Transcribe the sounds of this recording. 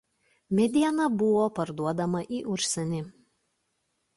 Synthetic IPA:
mʲɛd̪ʲiɛnɐbʊʋoːpɐɾd̪uɔd̪ɐmɐʔiːʔʊɾʲsʲɛnʲɪ

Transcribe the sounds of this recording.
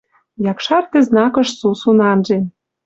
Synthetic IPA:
jɑkʃɑrt̪eznɑkɤ̆ʃsusunɑnʒe

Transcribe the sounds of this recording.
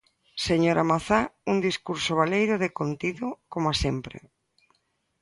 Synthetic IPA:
seɲoɾʔamaθaund̪iskuɾsoβ̞alejɾʊðekont̪iðʊkomoasempɾḛ

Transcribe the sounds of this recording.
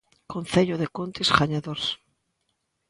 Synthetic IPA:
konθeʎoðekont̪isɣaɲaðoɾs

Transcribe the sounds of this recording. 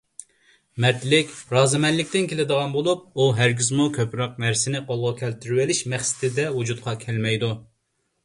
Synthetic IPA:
mɛɾt̪lɪkʲɾɑːzɨmɛnlɪkʲt̪ɪnkʲʰelɪd̪əʁɑnbolˠup̚uɦæɾɡʲizmukʲʰøpɾɑq̚næɾsɪnɪqolˠʁʊkʲʰɛlt̪ʰyɾywɪlɪʃmɛχsɪ̥t̪ʰɪd̪ɛwud͡ʒut̪qʰɑkʲʰɛlmɛjd̪u

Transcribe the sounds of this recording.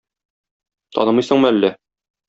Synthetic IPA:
t̪ɒ̰nɤmɤjsɤ̆ɴmɤælːæ

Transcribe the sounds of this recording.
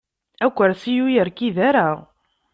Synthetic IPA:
ækʷːəɾsijujəɾkiðaɾa

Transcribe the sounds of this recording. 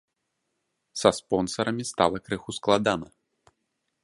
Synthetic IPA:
sɐspɔnsɐɾɐmʲist̪a̰lˠɐkɾɨxusklˠad̪anɐ

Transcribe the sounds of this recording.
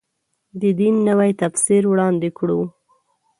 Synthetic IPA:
d̪əd̪inːəwajt̪afsiɾwɽɑnd̪ɪkɽu

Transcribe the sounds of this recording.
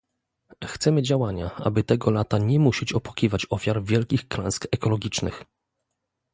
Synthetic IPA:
xt̪sɛmɘd͡ʑawaɲa̰a̰bɘt̪ɛɡɔlat̪aɲɛmuɕit͡ɕɔpwḁkʲivat͡ɕɔfʲjaɾvʲjɛlkʲixklɛ̃skɛkɔlɔɡʲit͡ʂnɘ̰x

